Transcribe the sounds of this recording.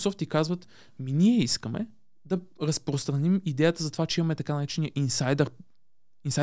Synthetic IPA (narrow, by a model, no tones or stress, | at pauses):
sɔft̪ikazvət̪ | miniɛiskəmɛ̰ | d̪ɐɾəspɾost̪ɾɐnimid̪ɛjət̪əzɐt̪ovat͡ʃɛimɐmɛt̪ɐkanɐɾɛt͡ʃɛnijəʔinsajd̪ɛɾ | insa